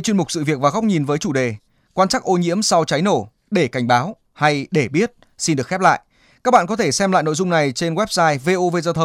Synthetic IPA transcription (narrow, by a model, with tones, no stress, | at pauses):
t͡ɕwi˧ənmʊ˨˩k͡p̚sɨ̰˧˨vi˨˩ək̚vaː˨˩ɣa˦˥wk͡p̚ɲi˨˩nvəː˨˦jt͡ɕu˧˩ɗe˨˩ | kwaː˧nt͡ɕa˦˥k̚ʔo˧ɲḭ˧˥əmsa˧wt͡ɕa˨˦jno˧˩ | ɗe˧˩ka˧˩jŋ̟ɓaː˨˦w | ha˧jɗe˧˩ɓi˦˥ət̚ | si˧nɗɨ˨˩əkxɛ˦˥p̚la̰ː˧˨jʔ | kaː˦˥k̚ɓa̰ː˧˨kɔ˨˦t̪ʰe˧˩sɛ˧mla̰ː˧˨jno̰˧˨zʊ˧ŋ͡mna˨˩jt͡ɕe˧nɣwɛ˦˥p̚saː˧jve˧ʔo˧ve˧˩zaː˧t̪ʰə˧wŋ͡m